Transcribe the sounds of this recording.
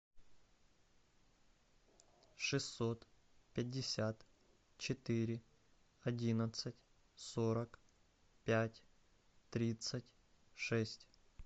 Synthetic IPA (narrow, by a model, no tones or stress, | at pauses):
ʂɨsːot̪ | pʲɪdʲːɪsʲat̪ | t͡ɕɪt̪ɪɾʲɪ | ɐdʲinət̪sətʲ | soɾɐk | pʲætʲ | t̪ɾʲit̪sətʲ | ʂɛsʲtʲ